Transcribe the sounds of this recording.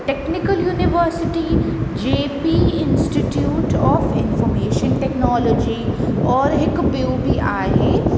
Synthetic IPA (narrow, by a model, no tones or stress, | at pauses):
ʈeːknɪkəljuːnɪʋəːɾsɪʈid͡ʒeːpiːɪ̃nsʈiʈjuːʈɔːfɪ̃nfɔːmeːʃənʈɛknɔːlɔd͡ʒiɔːɾɦɪkbeubʱiʔaːɦeː